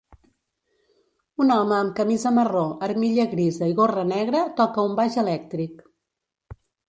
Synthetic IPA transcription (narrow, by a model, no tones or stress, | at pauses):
unɔməːmkəmizəməroʔəɾmiʎəɣɾizəiɣorənɛɣɾət̪ɔkəumbaʒəlɛk̚t̪ɾik